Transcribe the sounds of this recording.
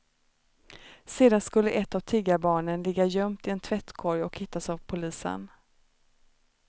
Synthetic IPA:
seːd̪anskɵlːəʔɛt̪ːavt̪ʰɪɡːabɑːɳənlɪɡːajœmt̪ɪɛnt̪ʰvɛt̪kʰɔɾjɔkhɪt̪ːasavpʰʊliːsə̰n

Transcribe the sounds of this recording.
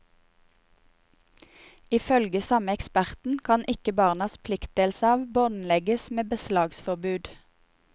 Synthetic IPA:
ɪfœlɡəsɑməɛkspæʁt̪n̩kʰɑnʔɪkəbɑːʁnɑspʰlɪkt̪̚d̪eːlsəɑːʋbɔnlɛɡəsmeːbəslɑːɡsfɔʁbʉːd̪

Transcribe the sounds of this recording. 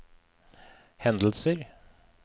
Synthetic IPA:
hɛnd̪l̩səɾ

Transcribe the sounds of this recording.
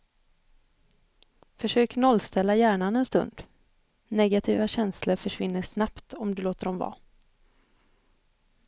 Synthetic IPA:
fœʂøːknɔlst̪ʰɛlːajæːɳanɛnst̪ɵ̰nd̪̥ | nɛɡat̪ʰiːvaɕɛnsləɾfœʂvɪnːəʂnapt̪ɔmd̪ɵloːt̪əɾɔmvɑ̰ː

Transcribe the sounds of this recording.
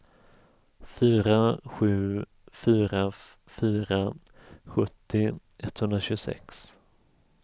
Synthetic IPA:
fyːɾaɧʉ̟ː | fyːɾa | fyːɾa | ɧɵt̪ːɪ | ɛt̪ːhɵnd̪ɾaɕɵɡʊsɛ̰ks

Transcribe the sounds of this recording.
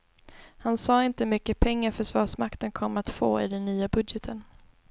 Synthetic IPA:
hansɑːɪnt̪əmʏkːəpʰɛŋːaɾfœʂvɑːʂmakt̪ənkʰɔmːat̪fo̰ːɪ̰d̪ɛnːyːabɵd̪jɛt̪ʰən

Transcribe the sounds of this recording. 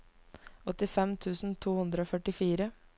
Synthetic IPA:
ɔt̪ɪfɛmt̪ʰʉːsn̩t̪ʰuːhʉnd̪ɾəoːfœʈɪfiːɾə

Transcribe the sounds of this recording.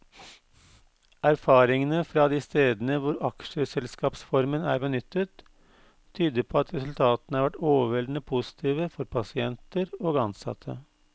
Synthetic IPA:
æɾfɑːɾɪŋənəfɾɑd̪iːst̪eːd̪nəʋʊɾɑkʃəsɛlskɑːpsfɔɾmənæ̰ːɾbənʏt̪ʰːət̪ʰː | yːd̪əɾpʰɔːɑt̪ɾɛsʉlt̪ʰɑːt̪ənəhɑɾʋæʈːoːʋəʋɛld̪nəpʰʊsɪ̥t̪ʰiːʋəfɔɾpʰɑsɪɛnt̪əɾoːɡɑnsɑ̰t̪ʰːə̰

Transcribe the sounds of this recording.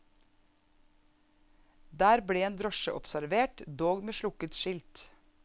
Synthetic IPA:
d̪æːɾbɽeːeːnd̪ɾɔʃə̰ʔɔpsæɾʋeːʈd̪oːɡmeːʃɭʊkət̪ʃɪlt̪

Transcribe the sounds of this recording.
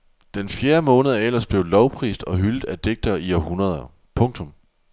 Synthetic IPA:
d̥enfjeːɐmɔ̽ːnəðˠɐel̰ɐsb̥le̝ʊlɒʊpʰʁḭːsd̥ɒ̽ɦyld̥æd̥e̝ɡ̥̚d̥ɐiɒɦunɐð̞ˠɐ | pʰɔ̽ŋt͡sʰɔ̽m

